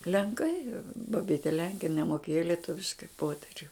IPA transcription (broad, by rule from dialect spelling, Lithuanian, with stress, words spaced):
lʲɛŋˈkɐɪ bɐˈbʲiːtʲɛ ˈlʲɛŋʲkʲɛ ɪn nʲɛmoːˈkʲeːjoː lʲiɛˈtʊʋʲɪʃkɐɪ ˈpoːtʲɛrʲʊ